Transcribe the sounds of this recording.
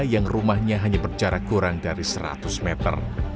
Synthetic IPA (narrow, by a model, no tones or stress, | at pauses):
jaŋrumahɲaɦaɲabərd͡ʒaɾakuɾaŋdaɾisəɾa̰t̪ʊsmɛt̪ə̰r